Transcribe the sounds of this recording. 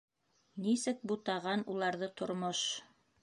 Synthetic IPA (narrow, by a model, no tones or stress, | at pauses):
nisɘk̚but̪ɑʁɑnulˠɑɾðɤt̪ŏɾmoʃ